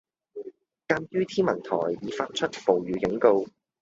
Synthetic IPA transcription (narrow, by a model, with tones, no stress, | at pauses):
kaː˧njyː˥t̪ʰiː˥nmɐ˨˩nt̪ʰɔ̰ː˨˩jːiː˨˧faː˧t̚t͡ʃʰɵ˥t̚po˨wɥyː˨˧kɪ˨˥ŋko˧w